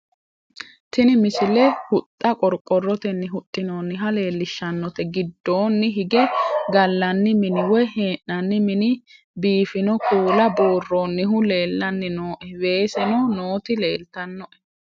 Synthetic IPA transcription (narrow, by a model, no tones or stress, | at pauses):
t̪ʰɪnɪmɪsɪlɛhʊt̪ʼːɐkʼɔɾkʼːɔrːɔt̪ɛnːɪɦʊt̪ʼːɪnoːnːɪɦɐle̞ːlːɪʃːɐnːɔt̪ɛɡɪd̪ːo̞ːnːɪɦɪɡɛɡɐlːɐnːɪmɪnɪwɔjheːʔːɐnːɪmɪnɪ | biːfɪnɔkʰuːlɐboːrːonːɪɦʊle̞ːlːɐnːɪnoːʔɛwe̞ːsɛnɔnoːt̪ɪle̞ːlt̪ɐnːɔʔɛ̥